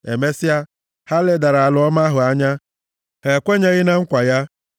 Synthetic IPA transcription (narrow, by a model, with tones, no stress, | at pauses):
e˨me˦sɪ˦a˦ | ha˦le˨da˨ɾa˨a˨lʊ˨˦ɔ˦ma˦ɦʊ˨a˦ɲa˦ | he˨kʷe˦ɲe˦ɣɪ˦na˦ŋ̩˦kʷa˨ja˦